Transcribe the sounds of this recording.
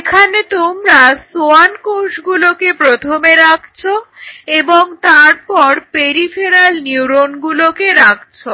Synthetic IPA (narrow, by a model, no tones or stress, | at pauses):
ekʰanet̪omɾasoankowʃɡulokepɾot̪ʰomeɾakʰt͡ɕʰoeboŋt̪aɾpɔɾpeɾifʰeɾalniuɾonɡulokeɾak̚ʰt͡ɕʰo